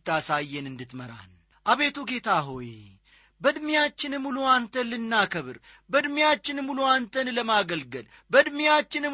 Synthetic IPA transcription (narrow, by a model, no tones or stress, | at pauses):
t̪ːasajːɛnɨnd̪ɨt̪məɾa̰n | ʔaβe̞t̪ʰuɡe̞t̪ʰaɦo̞je | bəd̪mijat͡ʃːɪnɨmːuluant̪ʰəlɨnːakʰəβɨɾ | bəd̪mijat͡ʃːɪnɨmːuluant̪ʰənləmaɡəlɡəl | bəd̪mijat͡ʃːɪnɨm